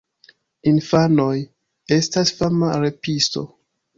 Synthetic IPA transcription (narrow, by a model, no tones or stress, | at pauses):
infano̞j | e̞stasfamaɾe̞pisto̞̰